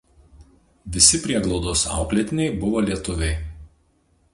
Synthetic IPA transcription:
ʋʲɪsʲɪpʲɾʲiɛɡlˠɒʊd̪osɑ̰ˑʊklʲɛt̪ʲɪnʲɛɪbʊʋoːlʲiɛt̪ʊʋʲɛɪ

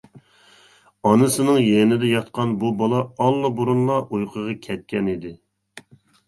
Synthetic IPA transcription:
ɑnɨsɨnɨŋjɛnɪd̪ɛjɑt̪qɑnbubɑlˠɑɑlˠːɑbuɾunlˠɑʔujqʰəʁɑkʲʰɛt̪̚kʲɛnid̪ɪ

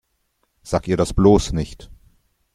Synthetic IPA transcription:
z̥aːk̚tiːɐɾasb̥loːsnɪçt

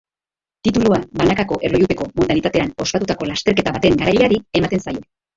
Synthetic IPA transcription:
t̪it̪uluaβanakako̞ʔe̞rlojut̪e̞ko̞mod̪anit̪at̪e̞ano̞spat̪ut̪ako̞last̪e̞ɾke̞t̪aβat̪e̞ŋɡaɾaʎaɾie̞mat̪e̞nsajo̞

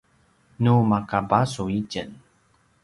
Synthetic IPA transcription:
numakabasuicən

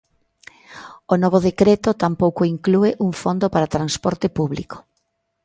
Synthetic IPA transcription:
onɔβ̞oðekɾet̪ot̪ampowkoiŋklueʔuŋfond̪opaɾat̪ɾanspɔɾt̪epuβlḭko̥

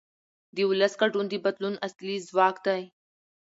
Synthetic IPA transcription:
d̪iːʊləskəʈuːnd̪iːbɐd̪lunɐsliːzʋaːkt̪aj

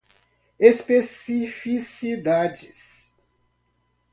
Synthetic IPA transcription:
espesifisid̪ad͡ʒis

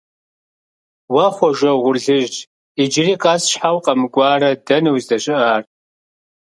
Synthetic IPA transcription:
wɐχʷɔʒʷɐwʁʷʊrɮɨʒʈ͡ʂʼ | id͡ʒriːqʼasʃħawqʼɐmɨɡʷʼɑːɾɐdɐnɨwzdɐɕʼɨʔaːr

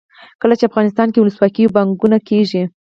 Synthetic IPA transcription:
kəlat͡ʃeafɣɑnɪst̪ɑnkewʊləswɑkəjobaŋɡunakeʒi

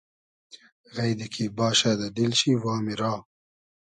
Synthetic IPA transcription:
ɣajd̪ikʰibɑːʃad̪aɖilʃiwɑːmiɾɑː

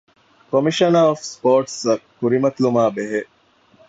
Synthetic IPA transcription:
komiʃɐnaofspoːʈsɐkːuɾimɐt̪lumaːbeɦeʔ

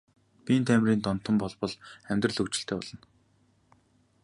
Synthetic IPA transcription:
pʲiːnt̪ʰæmriːnt̪ɔn̥t̪ə̆mpɔɮpɞ̆ɮχæmʲt̪rə̆ɮɵkt͡ɕɪ̆ɬt̪ʰeːpɔ̰ɮɞ̆n

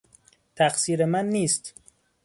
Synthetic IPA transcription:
t̪ʰæxsiːɾemænːiːst̪

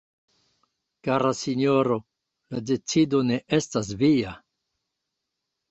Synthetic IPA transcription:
kaɾasinoɾo̞ | lade̞t͡sido̞ne̞ʔe̞stas̬via

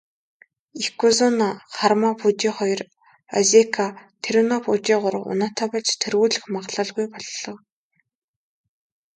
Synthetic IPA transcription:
ixkʰuzʊnaχarmapʰut͡ɕiːχɔjɞ̆r | azekʰat̪ʰeɾunaput͡ɕiːʁʊɾə̆wʊ̰nat̪ʰaːpɔɮt͡ɕt̪ʰerɣuːɮɘ̆xmaʁɮə̆ɮɣujpɔɮːɞ̆w

